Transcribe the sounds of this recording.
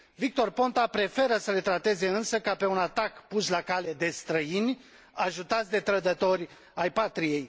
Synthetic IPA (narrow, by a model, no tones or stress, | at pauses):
vik̚t̪o̞rpo̞nt̪apɾe̞fe̞ɾəsəle̞t̪ɾat̪e̞ze̞ɨnsəkape̞unat̪akpuslakale̞d̪e̞st̪ɾəinʲ | aʒut̪at̪sʲd̪e̞t̪ɾəd̪ət̪o̞ɾʲ | ajpat̪ɾije̞j